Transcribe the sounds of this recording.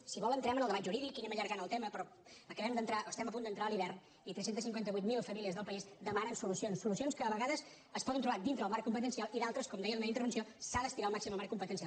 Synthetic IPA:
siβɔlˠənt̪ɾɛmənəlˠd̪əβaʒuɾiðikːinɛməʎəɾɣanəlˠt̪ɛməpɾɔ | əkəβɛmd̪ənt̪ɾaʔoəst̪ɛməp̬und̪ənt̪ɾaəliβɛrn | it̪ɾɛsent̪əsiŋkwɛnt̪əβujt̪̚milˠfəmiliəzðəlˠpəizd̪əmanənsulusionsːulusionskəəβəɣaðəs | əspɔðənt̪ɾuβad̪int̪ɾəðəlmaɾkumpət̪ənsialˠiðalˠt̪ɾəskɔmd̪ɛjəlˠmɛint̪əɾβəns̬josaðəst̪iɾaːlˠmaksiməlˠmaɾkumpət̪ənsialˠ

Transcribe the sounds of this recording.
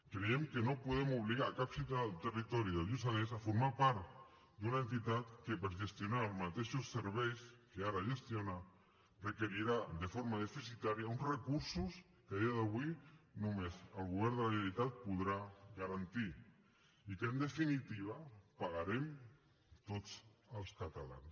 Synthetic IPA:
kɾeemkenopuðemoβliɣaɾakapsit̪alt̪erit̪oɾjoðelusales̬afoɾmaɾpaɾt̪ | d̪unaent̪it̪at̪kepeɾʒest̪jonaɾalmat̪eʃoseɾβejskeaɾaʒest̪jona | rekeɾiɾad̪efoɾmaðefisit̪aɾjaunzrekuɾsus | keaðiaðaβwinumezəlɣuβ̞ɛɾnd̪əlaβeɾit̪at̪̚puðɾaɣaɾant̪i | ikend̪efinit̪iβ̞apaɣaɾem | t̪ot͡səlˠskat̪ala̰ns

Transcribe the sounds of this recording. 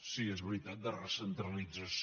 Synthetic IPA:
siezβɾit̪at̪̚d̪ərəsənt̪ɾəlid͡zəs

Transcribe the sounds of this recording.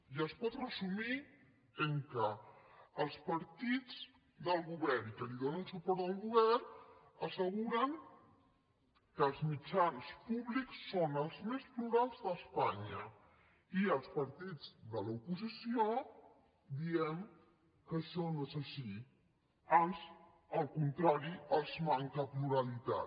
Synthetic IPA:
ʒəspɔt̪rəzumi | əŋkəː | lˠspəɾt̪id͡z | d̪əlˠɣuβɛɾnikəliðonənsupɔɾt̪ðəlˠɣuβɛrəsəɣuɾəŋ | kəːlˠzmit͡ʃanspuβliksːonəlˠzmespluɾalˠzðəspaɲə | iəlˠspəɾt̪id͡zðəlupuzisio | d̪iɛm | kəʃɔnoezəʃi | anz | əlˠkunt̪ɾaɾiəzmaŋkəpluɾəlit̪a̰

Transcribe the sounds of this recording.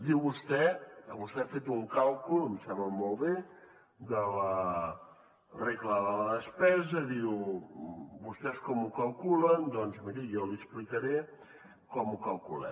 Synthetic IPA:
d̪iwβust̪ɛəβust̪ɛafet̪uŋkalˠkulumsaβəmɔlˠβe | d̪ələ | reɣləðələðəspɛzəðiw | bust̪ɛskɔmukəlˠkulənd̪ɔnzmiɾijɔliəsplikəɾe | kɔmukəlˠkulɛ̰

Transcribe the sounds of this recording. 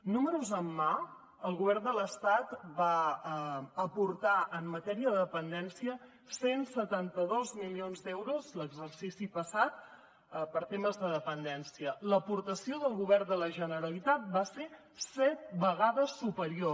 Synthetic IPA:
numəɾuzəmːa | əlˠɣuβ̞ɛrnd̪ələst̪at̪ba | əpuɾt̪aʔəmːət̪ɛɾiəðəðəpənd̪ɛnsiə | sensət̪ant̪əðozmilionzd̪ɛwɾuzləɡzərsisipəsat̪̚ | pəɾt̪eməzðəðəpənd̪ɛnsiələpuɾt̪əsioðəlˠɣuβɛrnd̪ələʒənəɾəlit̪at̪̚base | sɛt̪̚bəɣaðəsːupəɾio

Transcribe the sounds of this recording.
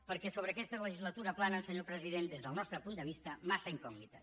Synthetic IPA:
pəɾkɛsoβɾəkɛst̪ələʒizlat̪uɾaplanalˠsəɲopɾəziðend̪ezðəlˠnɔst̪ɾəpund̪əβ̞ist̪əmasaiŋkɔɡnit̪ə

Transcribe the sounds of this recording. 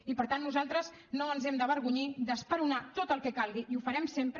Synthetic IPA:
ipəɾt̪anːuzalˠt̪ɾəz | noənzɛmd̪əβəɾɣuɲid̪əspəɾunat̪ot̪əlˠkɛkalˠɣiʔiufəɾɛmsempɾ

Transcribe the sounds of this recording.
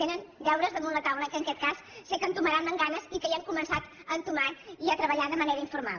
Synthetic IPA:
t̪enənbɛwɾəzðəmunlət̪awləkənŋkɛt̪̚kasːekəmt̪uməɾanləŋɡanəzikəiəŋkumənsat̪ | ənt̪umaiət̪ɾəβəʎaðəməneɾəiɱfuɾma̰

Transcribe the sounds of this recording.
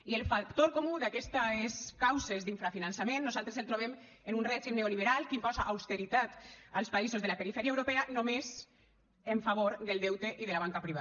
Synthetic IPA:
ielfakt̪oɾkomuðakɛst̪aeskawzezd̪iɱfɾafinansamẽnːuzalˠt̪ɾeselt̪ɾoβɛm | enunrɛʒimneoliβeɾalkimpɔzaʔawst̪eɾit̪at̪alˠspaizozðəlapeɾifɛɾiaewɾopɛanomez | eɱfaβ̞oɾðəlˠd̪ɛwt̪eʔiðəlaβaŋkapɾiβ̞a

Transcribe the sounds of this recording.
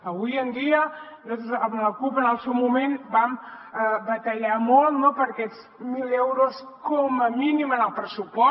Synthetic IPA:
əβujənd̪iəot̪zanləkupənalˠsewmumenbam | əbət̪əʎamolˠt̪nopəɾkɛs | milɛwɾos | koməminimənəlˠpɾəsupɔ

